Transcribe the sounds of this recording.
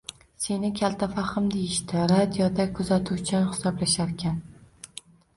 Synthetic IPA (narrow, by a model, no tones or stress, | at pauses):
se̞nɪkʲʰalˠt̪ʰafaχɨmd̪ejɪʃt̪ɪɾad̪ijod̪akʰʊzat̪ʰuwt͡ʃʰahɪ̥sɒblaʃaɾkʲʰan